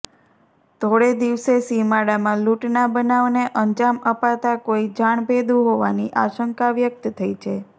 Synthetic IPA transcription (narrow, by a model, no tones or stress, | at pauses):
t̪ʰoɽed̪iʋsesimaɽamãluʈnabənaʋneʔəɲd͡ʒaməpat̪akoid͡ʒaɳ̃bed̪ũɦoʋaniʔaʃəŋkaʋjək̚t̪t̪ʰəit͡ʃʰe